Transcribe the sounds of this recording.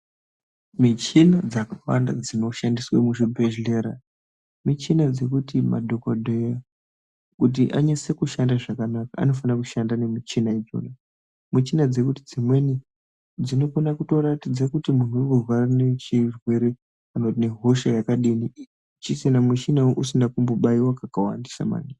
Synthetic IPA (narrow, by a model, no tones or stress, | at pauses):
mit͡ʃinad͡zakawa̰ndad͡zino̞ʃandiswamuʐibʱeʒle̞ɾa | mit͡ʃinad͡ze̞kutima̰dʱokodʱeja | kut̬iʔa̰ɲasekuʃandaʐakanakaa̰no̞fanakuʃandane̞mit͡ʃinaid͡ʒo̰na | mit͡ʃinad͡ze̞kutid͡zimwe̞ni | d͡zino̞konakuto̞ratid͡zakutimun̤uokorwarane̞t͡ʃirwe̞ɾe | anotine̞ɦo̞ʃajakaɗini | t͡ʃisinamwit͡ʃinaoʔusindakumboɓaiwakakawa̰ndisa̰ma̰ːni